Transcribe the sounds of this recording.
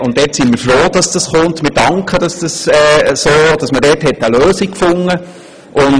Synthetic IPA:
ʊntːɛtsɪnmiːɾfɾoːd̥ɑsd̥ɑsχʊntmɪːɾd̥ɑŋkχəd̥ɑsd̥ɑsɛːsoːd̥ɑsmədɛtɦɛtːəløːsikfʊŋːə | ʔʊn

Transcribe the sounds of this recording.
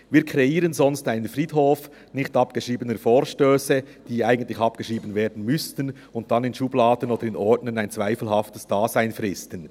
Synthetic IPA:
viːɾkʰʁɛiːɾənzɔnstaɪnənfʁiːtɦoːf | nɪçtɑpɡ̥əʃiːbənəfoːɾʃtøːsə | d̥iːaɪɡəntlɪçɑpɡ̥əʃiːbən̩veːɐdn̩mʏstn̩ | ʊnt̚d̥ɑnɪnʃublaːdən̩oːd̥əɾɪnɔɹdnənaɪnt͡sv̥aɪfl̩hɑftəsd̥aːzaɪnfʁɪstən

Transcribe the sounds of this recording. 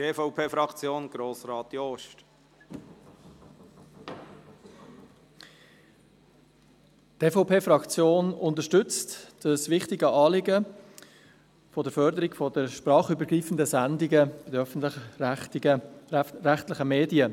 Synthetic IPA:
teːfɔʊpʰeːfɾɑkt͡sjoːnɡ̥ɾoːsɾɑːt̪joʃt | teːfɔʊpeːfɾɑkt͡sjoːnʊntəɾʃtʏt͡std̥əsʋɪχtɪɡəʔɑːlɪɡə | fɔdəɾfœɾdəɾɪɡfɔdəʃpɾɑːχybəɾɡriːfən̩dəsændɪɡəb̥ɪd̪əœfn̩tɪ | ɾæχtlɪχəmeːdiə

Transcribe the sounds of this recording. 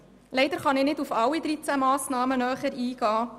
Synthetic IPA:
lɛɪd̥əɾχɑnɪːnɪdufɑwid̪ɾit͡sæmɑːsnɑːmənœːχəɾiːɡ̥ɑː

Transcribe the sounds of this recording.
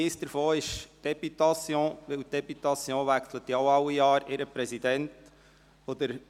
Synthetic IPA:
isd̥əɾfoːɪʃd̥ɛpytɑsjõːʋɪlt̚d̥ɛpyt̪ɑsjõːvækslət̪iaʊɑʊwijɑːɾɪɾəpɾɛsidɛnt | ɔd̪əɾ

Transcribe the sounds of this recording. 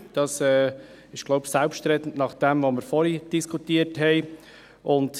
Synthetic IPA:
d̥ɑsɛː | ɪʃɡ̥lɔʊbsɛlpʃtɾɛt̪ən̩tnɑχd̥ɛmʋoməɾfɔɾid̥iskʰutiəthɛɪ | ʔʊnd

